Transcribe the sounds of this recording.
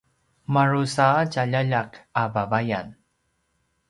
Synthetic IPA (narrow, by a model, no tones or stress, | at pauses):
maɾusacaʎaʎakabavajan